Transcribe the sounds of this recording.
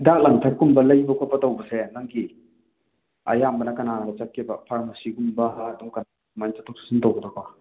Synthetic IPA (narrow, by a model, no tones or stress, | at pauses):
dak̚laŋtʰaɾkumbɐlɐjbɐkʰɔpatawbɐsenaŋɡi | a̰jambɐnakɐnaɾat͡ʃak̚ːibɐpʰaɾmasiɡumbɐːduŋkan | mant͡ʃatʰɔk̚si̥sintowɡədɔk̚ɔ